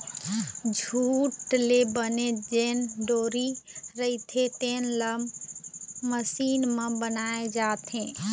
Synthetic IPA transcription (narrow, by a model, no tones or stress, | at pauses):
d͡ʒʱuːʈlebəned͡ʒeːnɖoːɾiɾəit̪ʰet̪eːnləmː | əsiːnmə̃bənaːed͡ʒaːt̪ɦẽː